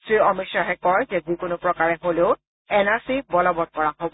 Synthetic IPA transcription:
sɹiɔmitsaɦɛkɔɹzɛzikʊnʊpɹɔkaɹɛɦoleʊ | ɛnaɹsibɔlɔbɔt̚kɔɹaɦobɔ

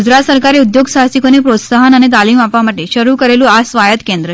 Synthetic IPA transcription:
ud͡ʑɾat̪səɾkaɾeud̪joɡsasikonepɾot̪saɦənañet̪aliːmapʋaməʈːeɕəɾukəɾelũasʋajət̪kend̪ɾə

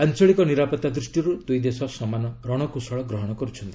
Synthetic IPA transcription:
ant͡ʃɔɭikɔniɾapɔt̪ad̪ɾusʈiɾud̪ujd̪esɔsɔmanɔɾɔɽ̃ɔkusɔɭɔɡɾɔɦɔɽ̃ɔkɔɾut͡ʃʰɔnt̪i̥

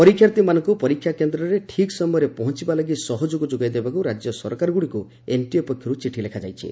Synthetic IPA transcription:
pɔɾikʰːjaɾt̪imanɔŋkupɔɾikʰːjakend̪ɾɔɾeʈʰiksɔmɔjɔɾepɔɦɔ̃t͡ʃibalaɡisɔɦɔd͡ʒoɡɔd͡ʒoɡajd̪ebakuɾad͡ʒjɔsɔ̰ɾkaɾɔɡuɽiku | enʈiepɔkʰːjɔɾut͡ʃiʈʰilekʰad͡ʒajt͡ʃʰḭ

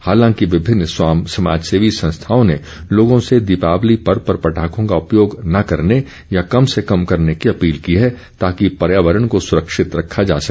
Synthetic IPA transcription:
haːlãŋkiʋɪbʱɪnːswaːmsɐma̰ːd͡ʒseːʋisɐ̃nst̪ʰaːõne | loːɡõsed̪ɪpaːʋlipɐɾpɐɾpɐʈʰaːkõkaʊpjoːɡnɐkɐɾne | jakɐmsekɐmkɐɾnekiɐpiːlkiɦɛ | t̪aːkipɐɾjaːʋəɾəɽ̃kosʊɾəkʃɪt̪ɾɐkʰːad͡ʒa̰ːsɐkː

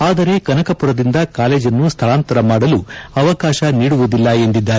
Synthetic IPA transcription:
aːd̪ɐɾe̞kɐnɐkɐpuɾɐd̪ind̪ɐkaːle̞ːd͡ʒɐnːust̪ʰɐɭaːnt̪ɐɾɐmaːɽɐluɐʋɐkaːʃɐniːɽuʋud̪ilːɐe̞nd̪id̪ːaːɾe

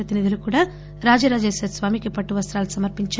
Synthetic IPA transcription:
ɐt̪inid̪ulukuːɽaː | ɾaːd͡ʒiɾaːd͡ʒeːsesʋaːmikipɐʈːuʋɐst̪ɾaːlusɐmɐɾpiɲt͡ʃː

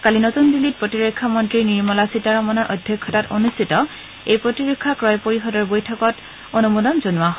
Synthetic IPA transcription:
kalinotunbilit̚pɹotiɹekʰːamɔntɹiniɹmɔlasitaɹɔmɔnɔɹʔodʱjɔkʰːɔtato̰nustʰitɔ | ejpɹotiɹɔkʰːakɹɔjpoɹiɦɔdɔɹbojtʰɔkɔt | onumodɔnzonuwa

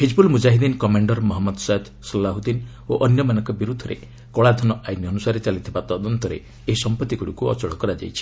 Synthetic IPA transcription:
hid͡ʒbulmud͡ʒaɦid̪inkɔmaɳɖɔɾmɔɦɔmːɔd̪sajd̪ | sɔlːaɦud̪in | oʔɔnjɔmanɔŋkɔbiɾud̪ʱɔɾḛ | kɔɭad̪ʱɔnɔʔaj̪njiɔnusaɾet͡ʃalit̪ʰibat̪ɔd̪ɔnt̪ɔɾḛ | eɦisɔmpɔt̪ːiɡuɽikuɔ̰t͡ʃɔɽɔkɔɾad͡ʒa̰jt͡ʃʰi̥

